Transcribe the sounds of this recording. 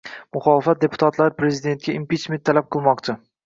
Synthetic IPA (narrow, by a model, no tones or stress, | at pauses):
mʊχɒlˠɪfat̪̚d̪e̞pʰʊ̥t̪ʰat̪laɾpɾezid̪e̞nt̪̚ɡʲaimpit͡ʃment̪ʰːalap̚qʰɨlˠmɒqt͡ʃʰɪ